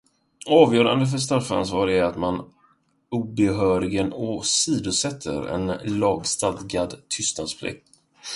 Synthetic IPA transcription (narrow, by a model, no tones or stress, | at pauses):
ɑːvjœːɾa̰nd̪əf̬œʂ̬t̪afa̰nsvɑːɾæɾat̪man | uːbɛɦœːɾɪɡənɔsiːd̪ʊsɛt̪ʰːə̰ɾɛ̰nlɑːɡst̪alɡad̪t̪ʰʏst̪nad̪spʰlɪ̰k̚t̪